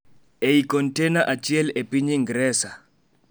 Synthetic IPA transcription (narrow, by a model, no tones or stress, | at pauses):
eikɔntɛnaʔat͡ʃɪɛlepiɲiŋɡɾɛsa